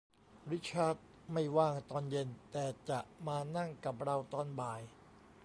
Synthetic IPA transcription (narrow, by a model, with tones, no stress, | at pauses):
ɾi˦˥t͡ɕʰaː˦˥˩t̪̚ | ma˥˩jwaː˥˩ŋt̪ɔː˧nje˧nt̪ɛː˨˩t͡ɕa˨˩ʔmaː˧na˥˩ŋka˨˩p̚ɾa˧wt̪ɔː˧nbaː˨˩j